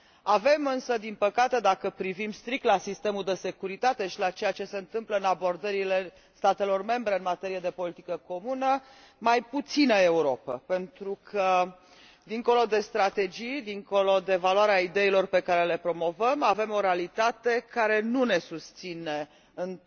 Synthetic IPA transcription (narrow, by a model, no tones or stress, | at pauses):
ave̞mɨnsəd̪inpəkat̪e̞d̪akəpɾivimst̪ɾik̚t̪lasist̪e̞muld̪e̞se̞kuɾit̪at̪e̞ʃilat͡ʃe̞jat͡ʃe̞se̞ɨnt̪ɨmpləɨnabo̞rd̪əɾile̞ | st̪at̪e̞lo̞rme̞mbɾe̞ɨnmat̪e̞ɾije̞d̪e̞po̞lit̪ikəko̞munə | majput̪sinəeuɾo̞pə̰pe̞nt̪ɾukʰə | d̪iŋko̞lo̞d̪e̞st̪ɾat̪e̞d͡ʒijd̪iŋko̞lo̞d̪e̞valwaɾeaid̪e̞ilo̞rpe̞kaɾe̞le̞pɾo̞mo̞vəmave̞mo̞ɾealit̪at̪e̞kaɾe̞nune̞sust̪sine̞ | ɨn